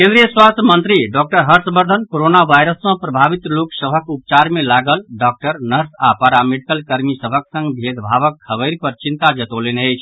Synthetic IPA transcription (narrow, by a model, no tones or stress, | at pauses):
kẽnd̪ɾijəswast̪ʰjəmənt̪ɾiɖɔk̚ʈəɾɦəɾsbəɾd̪ʱənkoɾonaʋajɾəsmə̃pɾəbʱabit̪loksəbʱəkup̚t͡ʃaɾmelaɡəlɖɔk̚ʈəɾnəɾsapaɾameɖikəlkəɾmisəbʱəksə̃ŋɡb̪ʱed̪bʱaβəkːʰəbəɪɾpəɾt͡ʃint̪ad͡ʒət̪olenəjt͡ʃʰ